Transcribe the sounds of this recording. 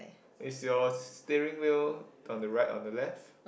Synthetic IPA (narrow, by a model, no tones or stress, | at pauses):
ɪsjɔstɛɹĩŋwilɔ̃ndəɹaɪtɔ̰̃ndəlɛft